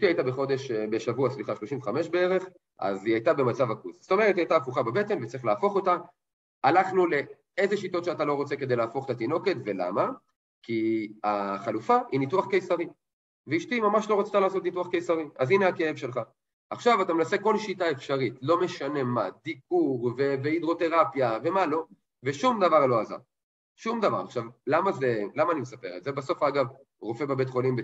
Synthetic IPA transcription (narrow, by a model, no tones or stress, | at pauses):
iʃtiajit̪abeχo̞d̪e̞ʃbeʃavuasliχaʃloʃimveχameʃbeeʁe̞χ | a̰ziajt̪abe̞mat͡savakuzst̪o̞me̞ʁet̪iajtaːfuχabebe̞te̞nvett͡sʁiχlaːfo̞χo̞ta | alaχnule̞ | ezeʃit̪o̞t̪ʃeatalo̞ʁo̞t͡se̞ke̞d̪ejlaːfo̞χet̪at̪ino̞ke̞tve̞la̰ma | kiaχalufainituaχkejsaʁi | veiʃtimamaʃlo̞ʁot͡st̪alaːso̞t̪nituaχkejsaʁiazineakeevʃe̞lχa | ʔaχʃavatamenase̞ko̞lʃitae̞fʃaʁitlo̞me̞ʃane̞ma̰d̪ikuʁveveid̪ʁo̞t̪e̞ʁapjave̞malo̞ | veʃumd̪avaʁlo̞aza̰ʁ | ʃumd̪ava̰ʁa̰χʃavlamazelamaːnimesape̞̰ʁḛt̪zebaso̞faɡav | ʁo̞febebetχo̞limbe